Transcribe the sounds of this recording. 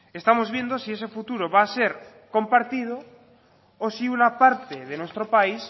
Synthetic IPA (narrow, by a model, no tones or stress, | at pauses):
est̪amozβje̞nd̪osiese̞fut̪uɾoβaːseɾ | kompaɾt̪ið̞o | osiunapaɾt̪eðenwest̪ɾopais